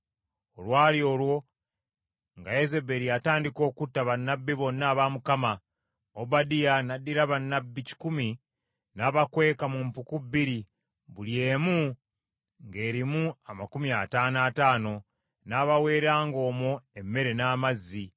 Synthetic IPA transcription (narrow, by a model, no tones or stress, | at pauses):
o̞lwaːlio̞lwo̞ | ŋɡajeze̞be̞ɾiataːndiko̞ːkutːaβanːabːiβo̞nːaːβamukama | obadijanadːiɾaβanːabːici̥kumi | naβakwe̞ːkamumpukubːiɾi | βulje̞ːmu | ŋɡe̞ːɾimuamakumiataːnaːtaːno̞ | naβawe̞ːɾaːŋɡo̞ːmoe̞mːe̞ɾe̞naːmazːi